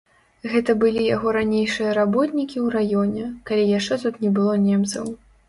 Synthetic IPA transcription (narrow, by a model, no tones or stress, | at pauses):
ɣɛt̪ɐbɨlʲijaɣɔɾanʲejʂɨjɐɾabɔt̪nʲikʲiwɾajɔnʲɛkalʲijaʂt͡ʂɛt̪ut̪nʲɛbɨlˠɔnʲɛmt̪sɐ̰w